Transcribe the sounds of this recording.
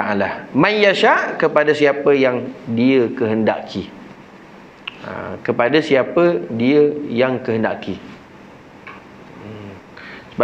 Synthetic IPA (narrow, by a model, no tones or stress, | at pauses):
aalamãnjaʃaʔkəpadasiapəjaŋdiəkəɦənda̰ʔkʰi | ə̰kəpadasiapədiəjaŋkəɦənda̰ʔki | səb